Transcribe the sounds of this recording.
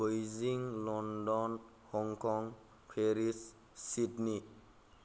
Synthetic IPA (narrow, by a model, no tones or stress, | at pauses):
ojziŋlɔndɔn | hɔŋkʰɔŋ | pʰeɾisː | itni